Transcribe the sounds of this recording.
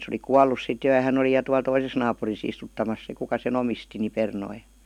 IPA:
sĕ oli kuɑlːus sit jo jɑ hæn oli jɑ tuɑl toises nɑːpuris istutːɑmɑs se kukɑ sen omisti ni pernoi

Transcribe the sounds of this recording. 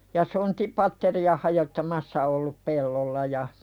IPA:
jɑ sontipɑtːeriɑ hɑjotːɑmɑsːɑ olːup pelːolːɑ jɑ

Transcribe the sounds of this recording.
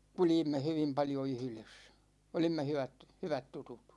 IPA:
kuljimːe hyʋim pɑljo yhy̆les olimːe hyʋæt hyʋæt tutut

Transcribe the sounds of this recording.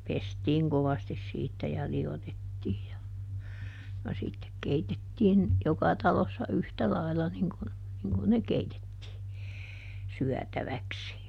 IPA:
pestiːŋ koʋɑstis siːtːæ jɑ liotetːiːj jɑ jɑ sitːek keitetːiːn jokɑ tɑlosːɑ yhtæ lɑilːɑ niŋ kun niŋ kun ne keitetːiː syætæʋæksi

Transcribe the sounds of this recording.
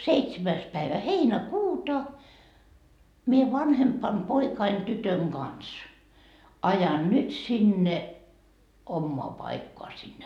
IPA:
seitsemæis pæiʋæ heinækuːtɑ mie ʋɑnhempɑm poikɑin tytøŋ ɡ̊ɑns ɑjɑn nyt sinːe omːoɑ pɑikːoɑ sinːe

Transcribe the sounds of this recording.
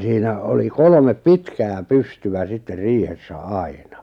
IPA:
siːnæ oli kolŏmep pitkæː pystyʋæ sitːer riːhesːæ ɑˑi̞nɑ

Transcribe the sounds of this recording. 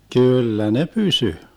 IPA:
kyˑlːæ ne pysy

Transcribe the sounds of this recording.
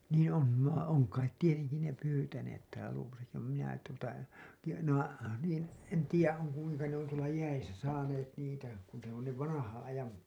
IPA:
niːn̞ on ʋɑ oŋ kɑit tieteŋki ne pyːtæneːt tæːlæ luoʋosɑki ʋɑm minæ tuotɑ tiːjæ ne õː niːn̞ en tiːjæ on̞ kuiŋkɑ ne on tuolɑ jæisæ sɑːneːt niːtæ kun se on ne ʋɑnɑhɑ̃ː ɑjɑm

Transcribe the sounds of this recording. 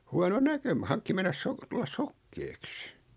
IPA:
huɑno nækø mɑ hɑŋkːi menːæ sok tulːɑs sokːeːks

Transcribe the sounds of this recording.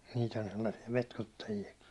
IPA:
niːt on selːɑsːi̥ɑ̥ petkutːɑjiɑki

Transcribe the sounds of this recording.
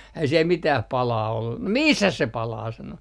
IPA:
æi siel mitæh pɑlɑː olːu no misːæs se pɑlɑː sɑno

